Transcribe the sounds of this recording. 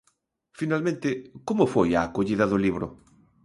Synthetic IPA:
finalmẽnt̪ɪkomʊfojaːkoʎiðɐðʊliβɾʊ̰

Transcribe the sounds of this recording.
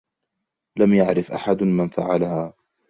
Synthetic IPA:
lamjaʕɾɪfʔaħad̪manfaʕalahaː

